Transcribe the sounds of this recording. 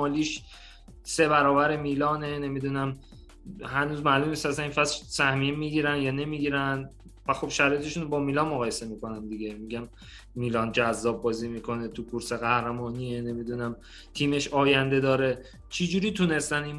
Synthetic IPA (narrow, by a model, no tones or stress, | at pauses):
ɒːliːʃ | se̞βæɾɒːbæɾemiːlɒːnene̞mid̪unæm | hænuːzmælumniːst̪æsæninfæsʃsæhmiemiːɡiɾænjɒːne̞miːɡiːɾænd̪ | væxobʃæɾɒːjee̞ʃunbɒːmilɒnmoɣɒːje̞se̞miːko̞nænd̪iɡemiɟʲæm | miːlɒːnd͡ʒæzːɒːb̚bɒːziːmiːkʰo̞net̪ʰukʰuɾseɣæhɾæmɒːniːene̞mid̪unæm | t̪ʰiːme̞ʃɒːjænd̪e̞d̪ɒːɾe̞ | t͡ʃʰid͡ʒuːɾiːt̪ʰune̞st̪ænin